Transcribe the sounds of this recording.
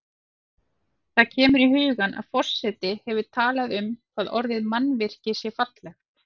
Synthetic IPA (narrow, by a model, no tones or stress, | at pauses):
θaðcʰɛːmʏɾiɦʏːɣanʔa̰ðfɔr̥sɛt̪ɪhɛvʏt̪ʰaːlaðʏmkʰvaːðɔ̰ɾðɪðmanːvɪr̥cɪsjɛɾfat̪lɛx